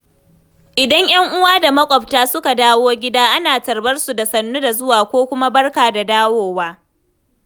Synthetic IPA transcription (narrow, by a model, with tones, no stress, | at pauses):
ʔɪ˨dɐ˦ɲj̰ɐ˦ŋʔʊ˦waː˦da˨mɐ˦kʷʼɔ˨p̚taː˦sʊ˦ka˨daː˦woː˦ɡʲɪ˦daː˦ʔa˦naː˨tɐ˨rbɐ˦rsu˨da˨sɐ˨nːu˦da˨zʊ˦waː˨kʷoː˦kʷʊ˦ma˦bɐ˦rkaː˨da˨daː˦woː˦waː˦